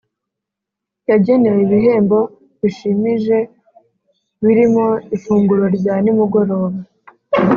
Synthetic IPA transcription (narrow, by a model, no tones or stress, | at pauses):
jaɟe̞ne̞jeβiɦe̞ːmbo̞ | βiʃimiʒe̞ | βiɾimo̞ifuːŋɡuɾo̞ɾɟaːnimuɡo̞ɾo̞ːβa